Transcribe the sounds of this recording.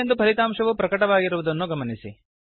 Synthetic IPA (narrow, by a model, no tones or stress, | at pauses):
end̪upʰɐɾit̪aːmʂɐʋupɾɐkɐʈɐʋaːɡiɾuʋud̪ɐnːuɡɐmɐnisḭ